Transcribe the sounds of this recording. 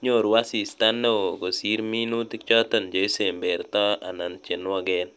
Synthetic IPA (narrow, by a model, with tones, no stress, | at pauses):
ɲo˦˨ɾwa˦si˨st̪a˦nːe˦o˨ɡo˨si˦ɾmi˦nu˦t̪i˦kt͡ʃɔ˦t̪ɔ˨nd͡ʒo˨i˦se˨mbe˨ɾt̪ɔ˦a̰˨na˨nt͡ʃe˨n˦ɔ˦ɡɛ˦n